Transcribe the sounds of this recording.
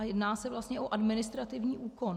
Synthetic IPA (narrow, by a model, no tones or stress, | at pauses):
ajɛdnaːsɛvlast̪ɲɛʔoʔadmɪnɪst̪ɾat̪ɪvɲiːʔuːko̞n